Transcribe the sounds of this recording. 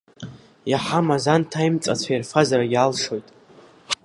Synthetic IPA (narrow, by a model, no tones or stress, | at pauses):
jaħamazantʰajmt͡sʼa̰t͡ɕʷʰajarfazaɾaɡʲalʂo̞jtʼ